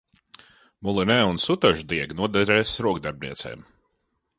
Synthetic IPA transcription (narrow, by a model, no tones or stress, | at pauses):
mulˠinɛːunsut̪aʒud̪iɛɡnuɔd̪ɛɾɛːsɾuɔɡd̪aɾb̚ʲnḭɛt̪sɛ̰ːm